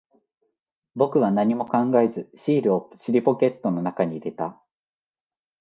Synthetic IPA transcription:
bo̞kɯ̟βanaɲ̟imo̞kãŋɡaezɨɕiːɾɯ̟oɕiɾʲipo̞kʲe̞t̪ːo̞no̞nakaɲ̟iːɾe̞t̪a

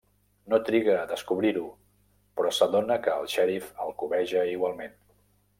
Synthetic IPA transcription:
not̪ɾiɣəːðəskuβɾiɾu | pɾɔsəðonəkəːlˠʃɛɾifəlˠkuβɛʒəiɣwalˠmen

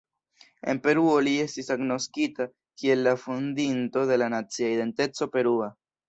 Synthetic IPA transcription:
e̞̰mpe̞ɾuo̞lie̞stisaɡno̞skita | kie̞lːafundinto̞de̞lanat͡siaide̞nte̞t͡so̞pe̞ɾua

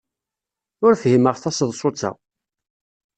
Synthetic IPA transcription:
ʊɾfhiməʁθɑsəðˤsˤʊt͡sːa̰

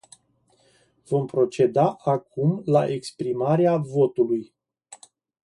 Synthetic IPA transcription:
vo̞mpɾo̞t͡ʃe̞d̪aʔakumlaʔekspɾimaɾeavo̞t̪uluj

